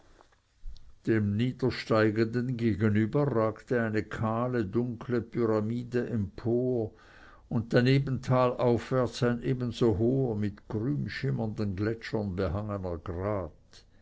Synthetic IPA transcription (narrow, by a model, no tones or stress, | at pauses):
d̥eːmniːd̥ɐʃtaɪɡəndənɡeːɡənyːbɐʁaːktəaɪnəkʰaːlədʊŋkʰləpʰyʁamiːdəʔɛmpʰoːɐ | ʊnt̚d̥aneːbn̩tʰaːlʔaʊfv̥ɛɐt͡saɪnʔeːbənzoɦoːəmɪtɡ̥ʁyːmʃɪməndənɡlɛt͡ʃənbəhaŋənɐɡʁaːd̥